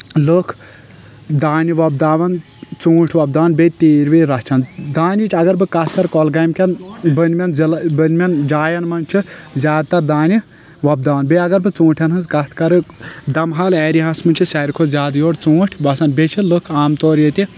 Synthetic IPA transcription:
lokʰ | d̪aːniʋɐb̚d̪aːʋɐn | t͡sũːʈʰʋɐb̚d̪aːʋɐnbʲet̪iːɾʋiɾɐht͡ʃʰɐnd̪aːnit͡ʃʲʰɐɡɐɾbɨkɐt̪ʰkɐɾkɔlɡɐjmkʲɐnbənmʲɐnlbənmʲɐnd͡ʒaːjɐnmɐnʲt͡ʃʰizʲaːd̪̚t̪ɐɾd̪aːni | ʋɐb̚d̪aːʋɐnbeɐɡɐɾbɨt͡sũːʈʰɐnɦɨnzkɐt̪ʰkɐɾɨd̪ɐmɦɐlɛːɾiɦɐsmɨnt͡ʃʰisɛɾkʰozʲaːd̪joːʈt͡suːʈʲʰbɐsɐnbet͡ʃʰilokʰaːmt̪oːɾjet̪i

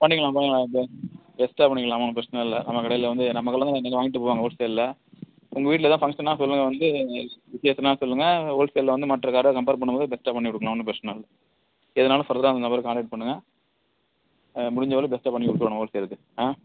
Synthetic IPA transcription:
pɐɳːɪkɐɭãpɐɳɪŋkɐɭãːbbɛsʈaːpɐɳːɪkːɐlaːmɐnːɯpɾɐsɐnɐɪlːɐ̰nɐmːɐkɐɽɐjɪlʋɐnd̪ɯnɐmːɐkːɐɭːlɐ̃naɛnːɐkːɯʋaːŋɡɪʈːɯpoːʋaːŋɡɐoːlsejlɪlɐ | ʊŋɡɐʋiːʈɪlɐt̪ãːfɐŋɡʂɐnːaːsɔlːɯŋɡɐʋɐnd̪ɯʋɪsjɐsɐnaːsɔlːɯŋɡɐoːlsejllɐʋɐnd̪ɯmɐʈːrɐkaːɾɐkɐmpeːɾp̬ɐɳːɯmboːðɯbɛsʈaːpɐɳːikʊɽɯkːɭlãːnːɯpɾɛsɐnɐlːɐ | ɛðɐnaːlɐ̃fɐɾɐðɐɾaːɐnd̪ɐnɐbɐɾkaːɳɖɐʈ̚pɐɳːɯŋɡɐ | mʊɽɪɲd͡ʒɐʋɐɾɯbɛsʈaːpɐɳːikʊɽɯkːɾɐːɳɐ̃oːlsejɾɐðɯ | ãː

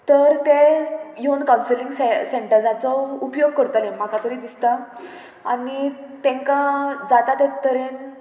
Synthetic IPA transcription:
t̪əɾt̪ejonkawnsiliŋɡseseɳʈəɾd͡zat͡sɔupjoɡ̚kəɾt̪əlẽm̤akãt̪əɾiːd̪ist̪a | a̰nit̪ẽŋkãd͡zat̪at̪et̪əɾen

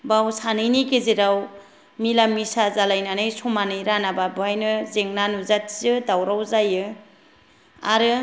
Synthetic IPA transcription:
bawsanɯjnikezeɾaw | milamːisazalajnanɯjsɔmanɯjɾanababɯajnɯzeŋnanuzatʰzɯdawɾawzajɯ | a̰ɾɯ

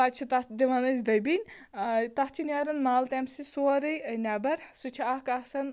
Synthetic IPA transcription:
at͡ʃʰit̪ɐd̪iʋɐnɐzd̪ɐjbinʲ | t̪ɐht͡ʃʰinʲaɾɐnmaːlt̪ɛmsisoɾɐjnʲabɐɾsut͡ʃʰiɐhkɐsɐn

